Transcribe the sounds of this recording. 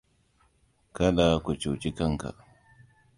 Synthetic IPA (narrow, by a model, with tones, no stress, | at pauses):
ka˦la˦kʷu˨t͡ʃo˨t͡ʃi˦kɐ˦ŋka̰˨